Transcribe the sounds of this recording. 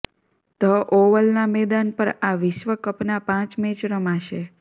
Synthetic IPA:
t̪əʔoʋəlnamɛd̪anpəɾaʋɪʃʋəkəpnapãt͡ʃmet͡ʃɾəmaʃe

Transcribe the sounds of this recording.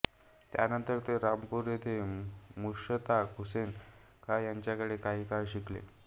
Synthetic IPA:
t̪ja̰nənt̪əɾt̪eɾampuɾjet̪ʰemuʂət̪akusen | kʰajaɲt͡ɕjakəɽekaɦiːkajɕiklḛ

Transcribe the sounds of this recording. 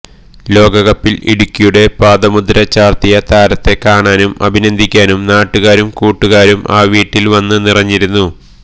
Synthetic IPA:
lo̞ːɡɐɣɐpːilḭɽukʲːijuɽe̞paːd̪ɐmud̪ɾɐt͡ɕaːrt̪ijɐt̪aːɾɐt̪ːe̞kaːɳaːnumɐ̰bʱinɐnd̪ʱikʲːaːnumnaːʈːuɣaːɾumkuːʈːuɣaːɾuma̰ːʋiːʈːilʋɐnːɨnirɐɲːiɾunːu

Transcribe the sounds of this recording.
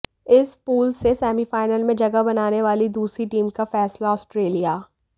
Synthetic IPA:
ɪspuːlsesɛːmifaːɪnəlmẽd͡ʒɐɡəbɐnaːneʋaːlid̪uːsɾiʈiːmkafɛːslaɔːsʈɾeːlijaː

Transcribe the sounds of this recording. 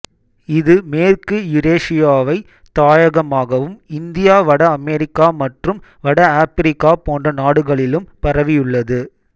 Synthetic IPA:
ɪðɯmeːɾkɯjʊɾeːʂɪjaːʋɐɪ | t̪ːaːjɐɣɐmaːɣɐʋɯmɪnd̪ɪjaːʋɐɽɐɐmɛɾɪkːaːmɐʈrɯmʋɐɽɐaːpɪɾɪkːaːpoːndrɐnaːɽɯɣɐɭɪlɯmpɐɾɐʋɪjɯɭːɐðɯ

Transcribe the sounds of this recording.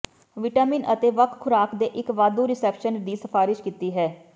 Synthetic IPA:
ʋɪʈaːmɪːnət̪eːʋəkʰkʰːʊɾaːkd̪eːʔɪkʋaːd̪ũːɾɪsɛːpʃənd̪iːsəpʰaːɾɪʃkiːt̪iːɦɛː

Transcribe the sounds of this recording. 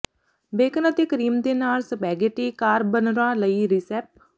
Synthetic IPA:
beːkənət̪eːkəɾiːmd̪eːnaːlsəpɛːɡeːʈeːkaːɾbənɾãːləiːɾisɛːp

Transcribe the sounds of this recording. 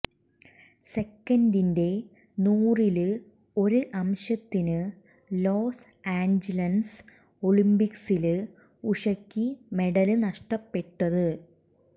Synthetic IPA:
se̞kːɐndinde̞ | nuːril | o̞ɾuɨʔɐmɕɐt̪ːinɨ | loːs | aːɲd͡ʑilɐns | oɭimbiksil | uʂɐkːime̞ɽɐlɨnɐʂʈɐpːe̞ʈːɐðɨ

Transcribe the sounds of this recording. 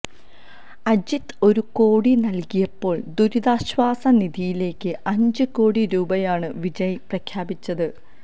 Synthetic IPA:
ɐd͡ʑit̪o̞ɾuko̞ːɽinɐlkijɐpːo̞ːɭd̪uɾid̪aːɕʋaːsɐniðijile̞ːkʲːɨʔɐɲd͡ʑɨko̞ːɽiɾuːbɐjaːɳɨʋid͡ʑɐjprɐkʰjaːbit͡ɕːɐðɨ

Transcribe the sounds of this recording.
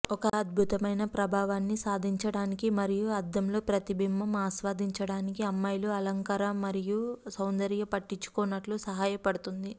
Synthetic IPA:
ɔkɐːd̪̚bʱut̪ɐmɐjnɐpɾɐbʱaːʋaːnːisaːd̪ʱiɲt͡ʃɐɽaːnikimɐɾijuɐd̪ːɐmlo̞ːpɾɐt̪ibʱimːɐmaːsʋaːd̪ʱiɲt͡ʃɐɽaːnikiɐmːɐjluɐlɐŋkaːɾɐmːɐɾijusɐwnd̪ɐɾjɐpɐʈːiɲt͡ʃːu̥koːnːɐʈlusɐɦaːjɐpɐɽut̪und̪i

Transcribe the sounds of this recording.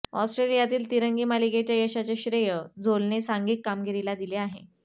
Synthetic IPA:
ɔ̰sʈɾelijat̪iːlt̪iɾəŋɡiːmaliɡet͡ɕjajəɕat͡ɕeɕɾejəd͡zolnesaŋɡiːk̪kamɡeɾilad̪ileaɦḛ

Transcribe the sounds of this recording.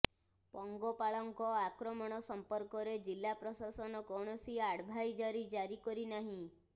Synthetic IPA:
pɔŋɡɔpaɭɔŋkɔakɾɔmɔɽ̃ɔsɔmpɔɾkɔɾed͡ʒilːapɾɔsasɔnɔkɔɽ̃ɔsiaɽbʱajd͡ʒaɾid͡ʒaɾikɔɾinaɦĩ

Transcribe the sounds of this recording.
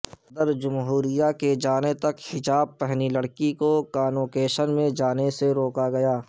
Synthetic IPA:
d̪əɾd͡ʒʊmɦuːɾijaked͡ʒaːnet̪ɐkhɪd͡ʒaːb̚pɛɦnilɐɽkikokaːnoːkeːʃənmẽd͡ʒaːneseɾoːkaɡɐjaː

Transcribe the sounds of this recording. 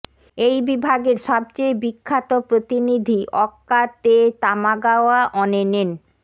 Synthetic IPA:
ejbibʱaɡeɾʃɔb̚t͡ɕejbikʰːat̪opɾot̪inid̪ʱiʔɔkːat̪et̪amaɡaoaʔɔnenen

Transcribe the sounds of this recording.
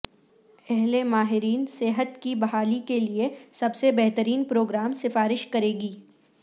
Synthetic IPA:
ɛɦlemaːɦɪɾiːnseːɦət̪kibɐɦaːlikeliesɐbsebɛɦt̪əɾiːnpɾoːɡɾaːmsɪfaːɾɪʃkɐɾeːɡiː

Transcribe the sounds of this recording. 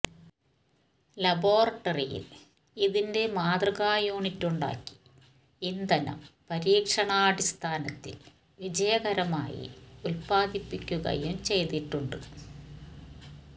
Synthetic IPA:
lɐboːrɐʈːɐrijḭl | iðinde̞maːd̪rɐɣaːjoːɳitːuɳɖa̰ːkːi̥ | ind̪ɐnɐ̰mpɐɾiːkʂɐɳaːɽist̪ʰaːnɐt̪ːḭl | ʋid͡ʑɐjɐɣɐɾɐma̰ːjḭulpaːd̪ipːikʲːuɣɐ̰jumt͡ɕe̞jt̪iʈːuɳɖɨ

